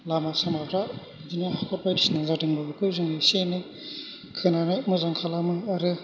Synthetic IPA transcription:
lamasamabɾa | zinaakʰɔt̚pajbisinazadɯŋbɯbɯkʰɯzɯŋisenɯ | kʰɯnanɯmɯzaŋkʰalamɯaɾɯ

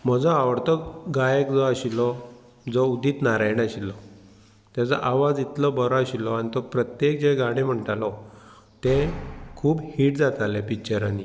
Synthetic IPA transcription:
m̤ɔd͡zɔaʋəɾt̪ɔɡajekd͡zɔaɕilɔ | d͡zɔud̪iːt̪naɾajɽaɕilːɔ | t̪jat͡sə̰ʔaʋad͡zit̪lɔbəɾɔəɕilɔanit̪ɔpɾət̪jek̚d͡ʑeɡaɽ̃im̤əɳʈalɔ | t̪ekʰuːbhiːʈd͡zat̪alepit͡ɕəɾani

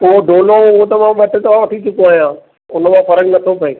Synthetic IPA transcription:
poːɖʱoːlõʊɦõt̪ɐmãʋɐʈɪ̆t̪ɐʋ̤ãʋɐʈʰit͡ɕʊkoaːjãː | ʊn̆mãfɐɾəknɐt̪ʰopʰɐiː

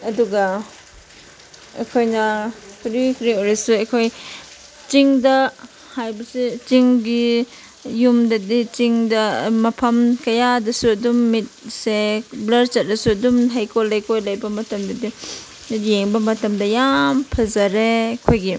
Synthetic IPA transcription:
ɐduɡɐ | ɐ̰kʰojnɐkʰudikɾioɾisuɐkʰoj | t͡ʃiŋdɐ | hajbɐsit͡ʃiŋɡi | jumdɐdit͡ʃiŋdɐmɐpʰɐmkɐjadɐsuɐdumːit̚seblɐɾt͡ʃɐt̚dɐsuɐdumɦɐjkʰolɐjkʰojlɐjbɐmɐtɐmdɐdi | jeŋbɐmɐtɐmdɐjampʰɐzɐɾekʰojɡi

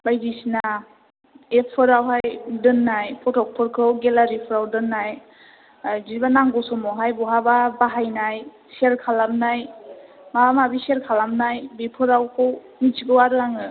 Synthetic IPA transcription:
bajdisina | epʰɯɾawɦajdɯnːajpʰɔtʰɔk̚pʰɯɾkʰɯwɡelaɾipʰɯɾawdɯnːaj | ziɾbanaŋɡɔsɔmɔɦajbɔɦababaɦajnaj | seɾkʰalamnaj | maamabiseɾkʰalamnajbipʰɯɾawkʰɯw | nit͡ʃiɡɯwaɾɯaŋɯ

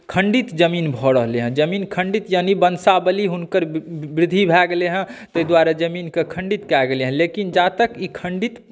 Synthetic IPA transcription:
kʰə̃ɳɖit̪d͡ʒəmiːnbʱɔɽəɦleɦə̃d͡ʒəmiːnkʰəɳɖit̪janibənsabəliɦʊnkəɾbɾɪd̪ʱːibʱɛɡeleɦɛ̃t̪əd̪waɾad͡ʒəmiːnkekʰə̃ɳɖit̪kɛɡeleɦɛ̃lekind͡ʒat̪əkikʰə̃ɳɖit̪

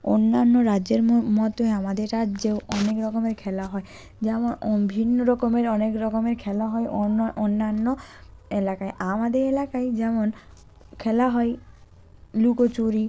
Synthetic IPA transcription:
o̰nːanːoɾadd͡ʑeɾmɔt̪oeamad̪eɾɾadːd͡ʑewɔnekɾɔkomeɾkʰɛlaɦɔe | d͡ʑɛmonbʱinːoɾɔkomeɾɔnekɾɔkomeɾkʰɛlaɦɔeʔoonːanːoelakajʔamad̪eɾelakajd͡ʑɛmon | kʰɛlaɦɔe | lukot͡ɕuɾi

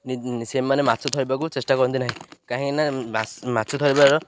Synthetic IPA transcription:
nisemːanematsʰɔt̪ʰɔɾibakut͡ʃesʈakɔɾɔnt̪inaɦĩkaɦĩkinaasmatːsʰɔt̪ʰɔɾibaɾɔ

